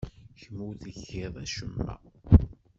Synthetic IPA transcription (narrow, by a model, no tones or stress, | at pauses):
çmuθəçːɪðˤæʃəmːæ̰